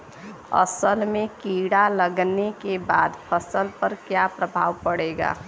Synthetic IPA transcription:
ə̰səlmẽkiɽaləɡnekebaːd̪pʰəsəlpəɾkjapɾəbʱaːʋpəɽeɡa̰ː

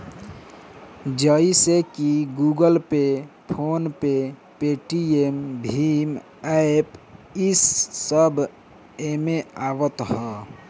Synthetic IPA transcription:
d͡ʒəisekiɡuɡəlpepʰoːnpe | peːʈiembʱim | ɛepɪsːəbʱ | emeaːʋət̪ɦɛː

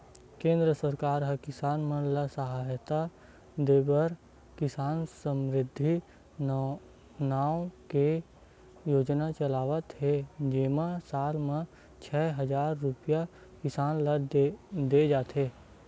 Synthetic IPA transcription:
kẽːnd̪ɾəsəɾkaːɾɦəkɪsaːnmə̃nlasəɦaːjt̪a | d̪eːbəɾ | kɪsaːnsəmɾɪd̪ʱːi | naːwke | joːd͡ʒnat͡ʃəlaːʋət̪ɦed͡ʒeːmasaːlmẽ | t͡ʃʰɛːɦəd͡ʒaːɾːʊpja | kɪsaːnləd̪ed͡ʒaːt̪ɦeː

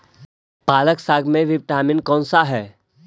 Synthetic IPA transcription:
paːləksaːɡmẽʋɪʋʈaːmɪnkɔ̃ːnsaɦɛː

